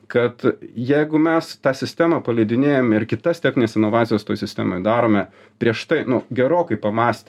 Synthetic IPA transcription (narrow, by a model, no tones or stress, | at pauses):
kɐt̪jɛɪɡʊmʲɛst̪ɑːsʲɪsʲt̪ʲæmɑːpɐlʲɛɪd̪ʲɪnʲeːjoːmʲɛɪɾkʲɪt̪ɐst̪ʲæːxʲnʲɪnʲeːsɪnoʋɑːt̪ʲɪjost̪oːjsʲɪsʲt̪ʲæ̰ːmoːjd̪ɑːɾoːmʲɛ | pʲɾʲiɛʃt̪ɐɪnʊɡʲɛɾoːkɐɪpɐmɑːsʲt̪ʲ